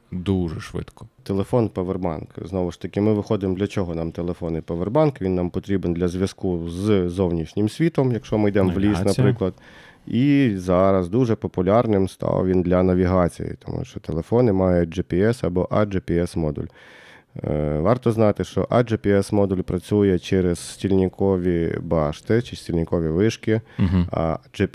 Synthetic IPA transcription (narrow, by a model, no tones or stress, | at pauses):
d̪uʒɛʃʋɪ̰t̪kɔ̥t̪elˠefɔnpɛʋerbɑ̰nkznɔʋʊʃt̪ɐkʲɪmɪʋɪxɔd̪ɪmd̪lʲɐt͡ʃɔɦɔnɑmt̪elˠefɔnɪpɛʋerbɑnkʋʲinːɑmpɔt̪ɾʲibend̪lʲɐzʲʋʲjɐskuzzɔwnʲiʃnʲɪmsʲʋʲit̪ɔmjɐkʃt͡ʃɔmɪjd̪ɛmʋlʲisnɐpɾɪklˠɐd̪ | izɑɾɐzd̪uʐɛpɔpʊlʲɑrnɪmst̪ɑ̰ʋʋʲind̪lʲɐnɐʋʲiɦɑt͡sʲḭjɪ̰t̪ɔ̰mṵʃt͡ʃɔt̪elˠefɔnɪmɑjʊt̚ʲd͡ʒɪpʲiɛsɐbɔʔɐd͡ʒɪpʲiɛsmɔd̪ṵlʲ | ʋɑrt̪ɔznɑt̪ɪʃt͡ʃɔ̰ʔɐd͡ʒɪpʲiɛsmɔd̪ʊlʲpɾʔɐt͡sʲujɛt͡ʃɛɾez̥sʲtʲilʲnʲɪkʰɔʋʲibɑʃt̪ɪt͡ʃɪsʲtʲilʲnʲɪkɔʋʲiʋɪʂkɪɐ̰d͡ʒ